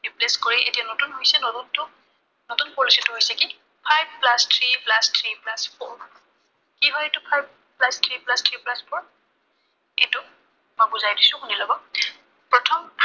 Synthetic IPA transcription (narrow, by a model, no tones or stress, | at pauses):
ɹipleskoɹiʔḛtijanotunɦojsɛnɔtuntʊ | notunpolisitʊɦojsɛki | pʰajb̚plastʰɹiplastʰɹiplaspʰoɹ | kiɦɔjetʊpʰajb̚ | plastʰɹiplastʰɹiplaspʰoɹ | ḛjtʊ | mojbuzajdisʊ̃xunilɔɡɔ | pɹɔtʰɔmpʰ